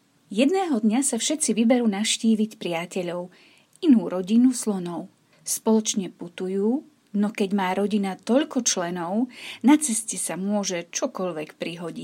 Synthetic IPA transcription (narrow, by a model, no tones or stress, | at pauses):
jɛd̪nɛːɦɔd̪ɲasafʃɛt̪t͡siʋibɛɾuːnaʊʃciːʋicpɾɪacɛʎɔʊ | inuːɾɔɟinuslɔnɔʊ | spɔlɔt͡ʃɲɛput̪ujuː | nɔkɛɟmaːɾɔɟinat̪ɔʎkɔt͡ʃlɛnɔʊnat͡sɛscɛsamʊɔʒɛt͡ʃɔkɔʎʋɛkpɾiɦɔɟḭ